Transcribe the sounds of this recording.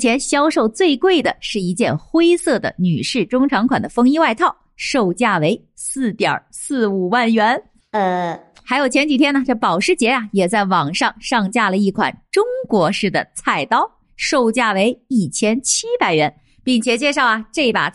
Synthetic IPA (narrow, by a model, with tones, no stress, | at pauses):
t͡ɕʰjɛ˧˥nɕjɑ˥ʊʂo˥˧ʊt͡swe˥˧ɪkwe˥˩ɪd̪ə˩ʂɻ̩˥˩i˧˥t͡ɕjɛ˥˩nxwe˥ɪsɤ˥˩d̪ə̰˩ny̰˨˩ʂɻ̩˥˩ʈ͡ʂʊ˥ŋʈ͡ʂʰɑ˧˥ŋkʰwa̰˨˩nd̪ə˦fɤ˥ŋi˥wa˥˧ɪt̪ʰɑ˥˩ʊʂo˥˧ʊt͡ɕja˥˩we˧˥ɪ | sɹ̩˥˩t̪jɑ̰˨˩˦sɹ̩˥˩u˨˩wa˥˩nɥɛ˧˥n˧ | xa˧˥ɪjo˨˩ʊt͡ɕʰjɛ˧˥nt͡ɕi˨˩t̪ʰjɛ˥nɐ˨˩ʈ͡ʂɤ˥˩pɑ˨˩ʊʂɻ̩˥˧t͡ɕjɛ˧˥ɐ˧jɛ˨˩t͡sa˥˩ɪwɑ˨˩ŋʂɑ˥˧ŋʂɑ˥˧ŋt͡ɕja˥˩lə˩i˥˩kʰwa̰˨˩nʈ͡ʂʊ˥ŋkwɔ˧˥ʂɻ̩˥˩d̪ə̰˩t͡sʰa˥˩ɪt̪ɑ˥ʊ | ʂo˥˧ʊt͡ɕja˥˩we˧˥ɪi˥˩t͡ɕʰjɛ˥nt͡ɕʰi˥pa˨˧˩ɪɥɛ˧˥n | pi˥˩ŋt͡ɕʰjɛ˨˩t͡ɕjɛ˥˧ʂɑ˥˩ʊɐ˩ʈ͡ʂɤ˥˩˨pa̰˨˩